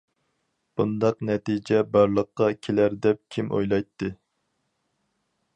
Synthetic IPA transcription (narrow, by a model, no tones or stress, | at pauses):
b̥und̪ɑqnɛt̪id͡ʒɛbɑɾlˠəqːɑkʲʰelæɾd̪ɛp̚kʲʰimʔo̰jlˠɑjt̪ʰːɨ